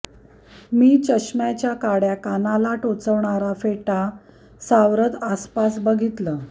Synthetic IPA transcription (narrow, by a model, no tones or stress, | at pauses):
miːt͡ɕəɕmjat͡ɕjakaɽjakanalaʈot͡səʋɳaɾafeʈa | saʋɾət̪aspasbəɡʱit̪ləː